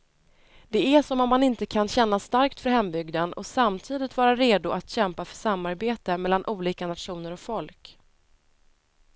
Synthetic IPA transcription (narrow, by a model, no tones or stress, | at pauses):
d̪̥ɛæʂɔmɔmːanɪnt̪əkʰanɕɛnːast̪aɾkt̪fœɾɦɛmbʏɡd̪ənɔ̰samt̪ʰiːd̪ɪt̪vɑːɾaɾeːd̪ʊʔat̪ɕɛmpafœʂamːaɾbeːt̪əmɛlːanʔuːliːkanat̪ɧuːnəɾɔkfɔlk